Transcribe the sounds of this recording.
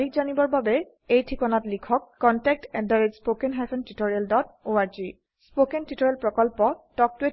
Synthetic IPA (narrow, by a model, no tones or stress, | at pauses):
dʱik̚zanibɔɹbabɛ | ejtʰikɔnatlikʰɔkːɔntɛk̚tɛdaɹedspokenɦasʰɔntitoɹialdɔtoaɹzi | spokentitoɹialpɹɔkɔlpɔtɔk̚tue